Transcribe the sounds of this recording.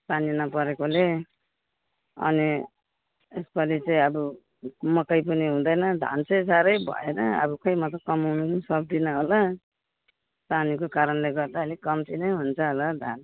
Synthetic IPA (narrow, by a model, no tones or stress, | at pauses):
paninʌpʌɾekole | ʌ̰ni | espʌlit͡sʌĩʌbu | mʌkʌjp̬ʌniɦũd̪ʌjnʌd̪ʱa̰nt͡sʌj̃saɾʌjbʱʌ̰enʌʌ̰bukʌjmʌt̪ʌkʌmawnunsʌk̚d̪inʌɦola | sanikokaɾʌnleɡʌrd̪aɦʌlikʌmt̪ʰinʌjɦunt͡sʰʌɦolad̪ʱan